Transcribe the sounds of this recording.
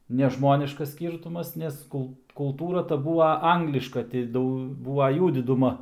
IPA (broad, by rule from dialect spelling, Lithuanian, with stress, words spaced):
nʲɛʒˈmoːnʲɪʃkɐs ˈsʲkʲiːrtʊmɐs nʲɛs ˈkʊlˠ kʊlˠˈtuːrɐ tɐ ˈbuːʋɐ ˈɐŋɡlʲɪʃkɐ tʲɪ ˈdɐʊ ˈbuːʋɐ ˈjuː dʲɪdʊˈmɐ